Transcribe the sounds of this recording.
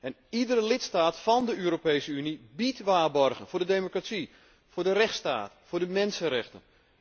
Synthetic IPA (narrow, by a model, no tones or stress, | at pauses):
ɛn | idərəlɪtstaːtfɑndəøːɾopejsəynibitʋaːrbɔrɣənvʊːɹdədemokratsi | fʊːɹdərɛxtsta̰ːtfʊːɹdəmɛnsənrɛxtən